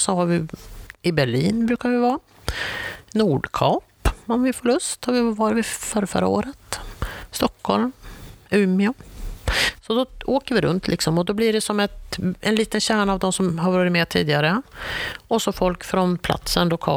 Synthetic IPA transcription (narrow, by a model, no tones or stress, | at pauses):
sɔɦaɾvɪɪbæɭiːnbɾʉ̟ːkaɾvɪvɑː | nuːɖkʰɑːpɔmvɪfɔɭɵst̪havɪvɑːɾavɪfœɾfœ̰ɾa̰o̰ːɾət̪st̪ɔkʰːɔlmʉmɪa | sɔd̪ɔoːkəɾvɪɾɵ̰nt̪ʰlʔɪksɔmɔd̪ɔblɪɖɛsɔmɛt̪ɛnliːt̪ənɕæːɳaːvd̪ɔmsɔmɦaɾvɑːɾɪt̪mɛt̪ʰḭːd̪ɪɡaɾə | ʔɔsɔfɔlkfɾɔnpʰla̰t̪sənlʊkʰɑ̰ː